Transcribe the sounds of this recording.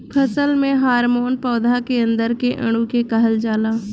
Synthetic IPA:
pʰəsəlmẽɦaːɾmoːnpɔːd̪ʱakeə̃nd̪əɾkeʔə̰ɽ̃ũkekɐɦəld͡ʒaːlaː

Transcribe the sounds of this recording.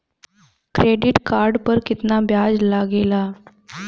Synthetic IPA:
kɾeɖiʈkaɾɖpəɾkit̪nabjad͡zlaɡela

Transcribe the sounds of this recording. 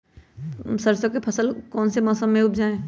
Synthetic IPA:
səɾsõkepʰɐsəlkɔːnsemɔːsəmːẽʊpʰd͡ʒaːẽː

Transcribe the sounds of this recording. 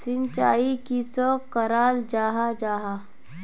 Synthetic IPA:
sɪnt͡ʃaːikisɔkəɾaːld͡ʒaːɦad͡ʒaːɦa

